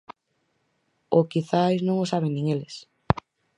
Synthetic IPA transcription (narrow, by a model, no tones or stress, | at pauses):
okiθajznõŋosaβ̞eŋnĩŋelɪs